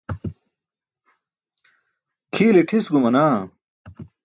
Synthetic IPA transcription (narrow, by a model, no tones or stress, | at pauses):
kʰiːleʈʰisɡumɐnaː